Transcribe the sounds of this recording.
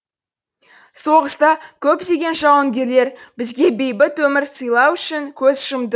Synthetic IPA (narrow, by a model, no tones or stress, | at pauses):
so̞ʁəst̪ɑkʲʰɵpd̪e̞ɡʲe̞nʒɑwəŋɡʲe̞ɾle̞ɾbɪzɡʲe̞be̞jbɪt̪wɵmɪɾsəjlˠɑwʏʃɪŋkʲʰɵzʒəmd̪ə